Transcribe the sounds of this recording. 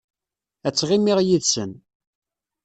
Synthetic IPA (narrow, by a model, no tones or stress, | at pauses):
æt͡sːʁimiʁjiðsən